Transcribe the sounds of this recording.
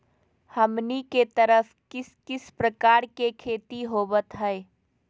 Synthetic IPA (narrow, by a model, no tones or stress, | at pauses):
hɐmniket̪əɾəfʰkɪskɪspɾəkaːɾkekʰeːt̪iɦoːbət̪ɦɛe